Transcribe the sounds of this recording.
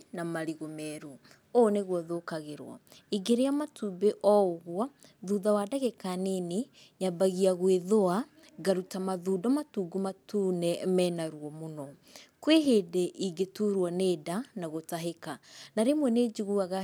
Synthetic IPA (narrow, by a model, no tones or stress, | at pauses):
namaɾiɣomɛɾu | ɔneɣwɔðoːkaɣeɾwɔ̰iɡeɾeamatubeʔɔoɣwɔ | ðuːðawaːdaɣekanene | ɲabaɣiaɣweðoa | ɡaɾutamaðuːdɔmatuɡumatunɛmɛnaɾwɔmonɔ | kweɦedɛʔiɡetuɾwaneːdanaɣotaɦekanaɾemwɛned͡ʒuɣuaɣa